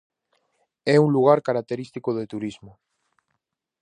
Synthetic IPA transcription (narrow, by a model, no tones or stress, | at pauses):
ɛuŋluɣ̞aɾkaɾak̚t̪eɾist̪ikoðet̪uɾizmo